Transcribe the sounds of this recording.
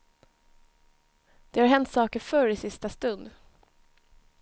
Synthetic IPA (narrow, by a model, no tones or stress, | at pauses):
d̪̥ɛhaɾɦɛnt̪sɑːkəɾfœɾɪsɪst̪ast̪ɵnd̪